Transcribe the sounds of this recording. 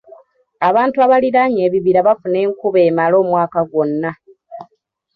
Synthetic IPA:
aβaːntuaβaliɾaɲe̞ːβiβiɾaβafune̞ːŋkuβe̞ːmalo̞ːmwaːkaɡwo̞nːa

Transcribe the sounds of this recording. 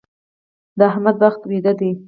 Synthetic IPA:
d̪əaɦmad̪̚baxt̪wed̪ad̪i

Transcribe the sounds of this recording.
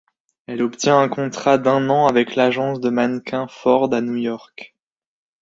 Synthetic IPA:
ɛlɔpt̪jɛ̃ɛ̃kɔ̃t̪χad̪ɛ̃nɑ̃avɛklaʒɑ̃sd̪əmankʰɛ̃fɔʁd̪anujɔʁk

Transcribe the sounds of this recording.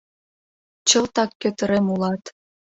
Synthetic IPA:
t͡ɕəlt̪ɑkːøt̪ə̆ɾemulɑt̪

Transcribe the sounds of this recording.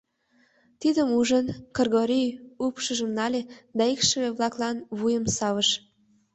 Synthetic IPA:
t̪id̪əmuʒənkorɣoɾijupʃəʒəmnɑlʲed̪ɑikʃəβeβlɑklɑnβujəmsɑβəʃ

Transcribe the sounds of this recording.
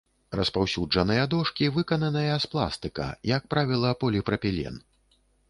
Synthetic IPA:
rɐspawsʲud͡ʐɐnɨjɐd̪ɔʂkʲivɨkɐnɐnɐjɐsplˠa̰st̪ɨkɐ̰jɐk̚pɾavʲilˠɐpɔlʲipɾɐpʲilʲɛ̰n

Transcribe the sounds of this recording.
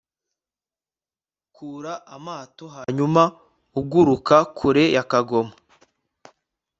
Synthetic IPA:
kʰuːɾaʔamaːtoɦaɲuma | uɡuɾukakʰuɾe̞jakaɡo̞ma

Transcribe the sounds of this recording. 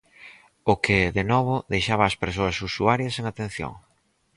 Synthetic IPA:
ʊkɪðenɔβ̞ʊðejʃaβaːspeɾs̬oɐsusuaɾjɐseŋat̪en̟θjo̰ŋ

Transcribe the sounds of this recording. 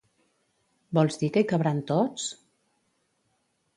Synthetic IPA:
bɔlˠzðikəjkaβɾant̪ot͡s

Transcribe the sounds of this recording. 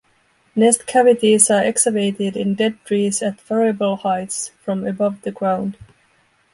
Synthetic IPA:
nɛstkʰævɪtizə˞ʔɛksəveɪɾɪdɪ̃ndɛd̚tɹizɨtfɛɹiɨbl̩ˠhaɪtsfɹʌ̃mɨbʌvðɨɡɹãʊ̃nd̥

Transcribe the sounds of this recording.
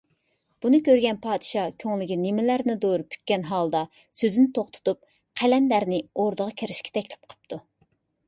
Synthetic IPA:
b̥unɨkʲʰøɾɡʲɛnpʰɑːd̪ɨʃɑkʲʰøŋlɪɡʲinɪmɪlæɾnɪd̪oɾupʰy̥t̪̚kʲɛnɦɑlˠd̪ɑ | søzynɪt̪ʰoχt̪ʰʊ̥t̪up̚ | qʰælɛnlæɾnɪoɾd̪əʁɑkʲʰeɾɪʃkʲɛ̥t̪ʰɛkʲlɪ̥p̚qʰə̥p̚t̪ʰu

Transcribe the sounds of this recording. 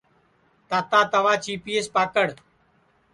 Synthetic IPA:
t̪aːt̪aːt̪əʋaːt͡ʃiːpiːeːspaːkəɽ

